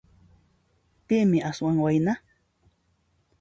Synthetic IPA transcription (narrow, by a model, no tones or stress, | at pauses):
pɪmɪʔaswaŋwajna